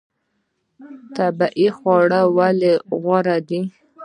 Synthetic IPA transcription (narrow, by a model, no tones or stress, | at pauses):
t̪abaʔixwɑɽawaleɣaɾad̪i